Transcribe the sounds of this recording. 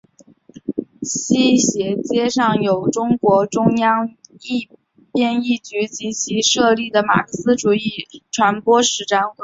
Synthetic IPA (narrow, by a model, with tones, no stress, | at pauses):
ɕi˥ɕjɛ˧˥t͡ɕjɛ˥ʂɑ˥˩ŋjo˨˩ʊʈ͡ʂʊ˥ŋkwɔ˧˥ʈ͡ʂʊ˥ŋjɑ˥ŋi˥˧ | pjɛ˥˧ni˥˩t͡ɕy˧˥t͡ɕi˧˥t͡ɕʰi˧˥ʂɤ˥˧li˥˩d̪ə˩ma̰˨˩kʰɤ˥˩ssɹ̩˥ʈ͡ʂu˨˩i˥˩ʈ͡ʂʰwa˧˥npwɔ˥ʂɻ̩˧˥˩ʈ͡ʂa˧˥nwə˧˥